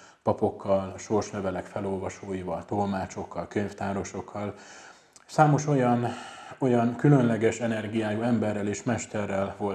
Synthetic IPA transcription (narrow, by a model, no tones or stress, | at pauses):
pɒpo̞kːɒlʃo̞rʃlɛvɛlɛkfɛlo̞lvɒʃoːjivɒlt̪o̞lmaːt͡ʃo̞kːɒlkøɲft̪aːɾo̞ʃo̞kʰːɒl | saːmo̞ʃo̞jɒno̞jɒŋkylø̞nlɛɡɛʃɛnɛrɡijaːjuɛmbɛrːɛleːʃmɛʃt̪ɛrːɛlvo̞l